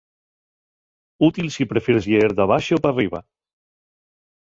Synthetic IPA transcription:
ut̪ilsipɾefeɾzʎeeɾd̪aβaʃeopariβa̰

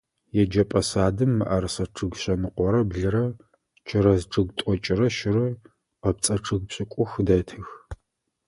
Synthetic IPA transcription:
jɛd͡ʒɐpʼɐsaːdɨmːɨ̰ʔɐrsɐʈ͡ʂʰɨɡʷɕɐnɨqʷɔɾɐbɮɨɾɐ | t͡ʃʰɪɾɐzʈ͡ʂʰʼɨɡtʷʼɔt͡ʃʼɪrɐʃɪrɨ | qɐp̚t͡sʼɐʈ͡ʂʰɨɣpɕʼɪkʷʼʊxdɐtʰɨx

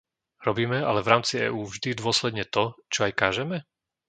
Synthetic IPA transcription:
ɾɔbiːmɛa̰lɛvɾaːmt͡siɛ̰ːuːvʒd̪id̪ʊɔslɛd̪ɲɛt̪ɔt͡ʃɔajkaːʒɛmɛ

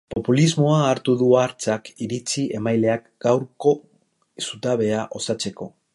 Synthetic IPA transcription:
po̞pulizmo̞aːɾt̪uðuaɾt͡sakiɾit͡siʔe̞majle̞akɡ̥awɾko̞ | sut̪aβe̞aʔo̞sat͡se̞ko̞

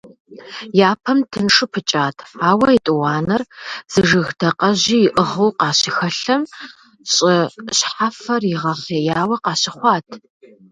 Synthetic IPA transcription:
jaːpʰɐmtʰɨnʂʼɨpʰɨt͡ʃʼaːtʰaːwɐitʼɨwɑːnɐrz̥ɨʐɨɣdʰɐqɐʑiːjɪʔəʁuwqɑːɕɪxɐɬɐm | ɕʼɪɕħafɐrjɪʁɐχeːjaːwɐqɑːɕɪχʷɑːtʰ

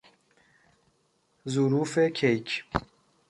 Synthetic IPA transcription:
zuɾuːfekʰejkʰ

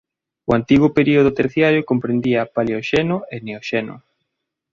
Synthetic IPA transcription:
ʊant̪iɣʊpeɾioð̞ʊt̪eɾθjaɾjokompɾend̪iapaleoʃenʊeneoʃenʊ̰

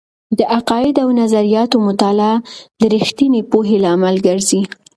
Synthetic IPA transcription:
d̪əʔaqɑɪd̪awnazaɾijɑt̪omʊt̪alɑd̪əɾixt̪inepoɦelaːmalɡəɾzi

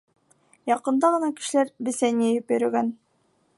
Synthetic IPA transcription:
jɑqɤ̆nd̪ɑʁɤ̆nɑkɘ̥̆ʃ̆læɾbɘ̆sænijæjupjɵ̆ɾɘ̆ɡæn

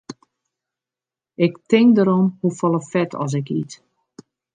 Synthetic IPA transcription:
ɪktɪŋdəɾɔmhufɔlˠəfɛtʰɔ̰s̬ɪkḭt

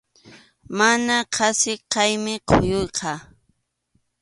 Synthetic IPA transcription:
manaqʰɑsɪqɑjmɪqʰojʊjqʰɑ

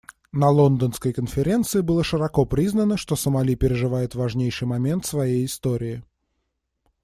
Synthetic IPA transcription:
nɐlˠond̪ənskəjkənfʲɪɾʲe̞nt̪sɨɪbɨlˠəʂɨɾɐko̞pɾʲiznənəʂt̪o̞səmɐlʲipʲɪɾʲɪʐɨvajɪt̪vɐʐnʲejʂɨjmɐmʲe̞nt̪svɐjejɪst̪oɾʲɪɪ

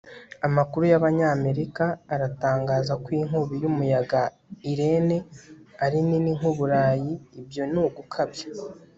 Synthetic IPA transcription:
amakuɾujaβaɲaːme̞ɾikaːɾataːŋɡaːzakwiːŋ̥uβijumujaɡa | iɾe̞ne̞aɾininiŋ̥uβuɾaːjiːbjo̞nuːɡukʰabjḁ

